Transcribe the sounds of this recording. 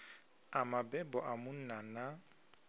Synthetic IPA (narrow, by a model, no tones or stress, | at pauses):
amabɛbɔʔamʊn̩nana